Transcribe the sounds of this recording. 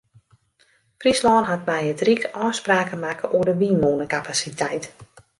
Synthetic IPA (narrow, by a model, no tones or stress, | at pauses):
frislɔːnɦat̚mɛjətrikɔːspraːkəmakəʔuədəʋiːnoːnəkapasitʰɛjt